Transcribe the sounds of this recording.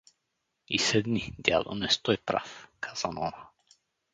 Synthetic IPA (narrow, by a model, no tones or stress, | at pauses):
isɛd̪nid̪ʲja̰lˠɔ̰nɛst̪ɔjpɾa̰fkʰaz̥anɔna